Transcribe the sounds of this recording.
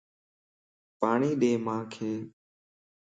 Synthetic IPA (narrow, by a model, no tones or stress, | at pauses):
paːɳiːɗeːmãːkʰeː